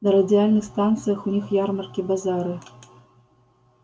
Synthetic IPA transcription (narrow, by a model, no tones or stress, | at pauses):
nɐɾɐd̪ʲɪjalʲnɨxst̪ant̪sɨjɐxunʲixjarmɐrkʲibazaɾɨ